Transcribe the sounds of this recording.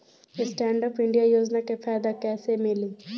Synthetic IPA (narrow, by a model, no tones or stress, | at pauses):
esʈɛːɳɖɔpiɳɖijajoːd͡ʒnakefʰɛːd̪akɛːsemili